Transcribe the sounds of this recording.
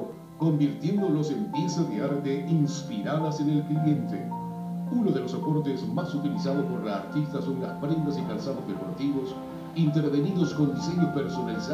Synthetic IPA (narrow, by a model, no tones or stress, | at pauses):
ko̞mbiɾt̪je̞nd̪olosempjesaðeaɾt̪eʔinspiɾaðasene̞lklie̞nt̪ḛ | unoðe̞lo̞sapo̞ɾt̪ezmasut̪ilisaðopo̞ɾlaːɾt̪ist̪asoβɾelaspɾend̪asikalsaðozðepo̞ɾt̪iβo̞s | int̪eɾβe̞niðo̞sko̞nd̪isiɣepeɾso̞nalisa